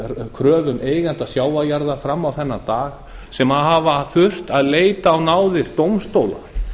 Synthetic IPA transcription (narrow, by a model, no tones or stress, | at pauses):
kʰɾœːvʏmeːjɣan̥t̪asjaːwvajaɾðafɾamːawθɛnːat̪aːɣ | sɛmaðɦaːvaθʏr̥t̪aðleːjt̪aːwnaːwðɪɾt̪owmst̪oːwla̰